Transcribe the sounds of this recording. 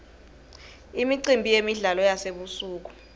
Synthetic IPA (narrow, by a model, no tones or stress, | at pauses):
imiǀimbʱijemiɮalɔjaseɓusuːk̬u̥